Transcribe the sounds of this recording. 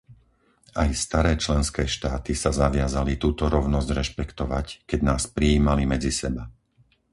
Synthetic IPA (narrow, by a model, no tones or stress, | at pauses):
ajst̪aɾɛːt͡ʃlɛnskɛːʃt̪aːt̪isazaʋɪazalit̪uːt̪ɔɾɔʊnɔzɟɾɛʃpɛkt̪ɔʋackɛɟnaːspɾijiːmalimɛd͡zisɛba